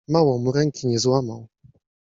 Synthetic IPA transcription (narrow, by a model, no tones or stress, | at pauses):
mawɔ̃muɾɛŋkʲiɲɛzwama̰w